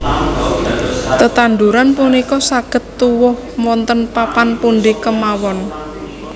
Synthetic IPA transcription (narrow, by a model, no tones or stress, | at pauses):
t̪ət̪and̪uɾanpunikɔsaɡ̥ə̤t̪ːuwʊh | mɔnt̪ənpapanpunɖ̪ikəmawɔn